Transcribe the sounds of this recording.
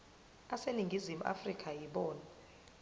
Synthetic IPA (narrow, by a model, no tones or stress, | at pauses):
aseliŋɡʱizimuʔa̰frikʼajiɓɔːna